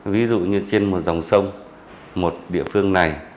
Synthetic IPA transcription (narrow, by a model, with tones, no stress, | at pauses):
vi˨˦zṵ˧˨ɲɨ˧t͡ɕe˧nmo˨˩t̚za˨˩wŋ͡msə˧wŋ͡m | mo˨˩t̚ɗḭ˧˨əfɨ˧əŋna˨˩j